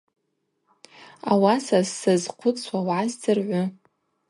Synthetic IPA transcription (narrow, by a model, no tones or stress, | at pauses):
awasassɨzqʷʰʊt͡sʰwawʕasdɨrʕʷʊ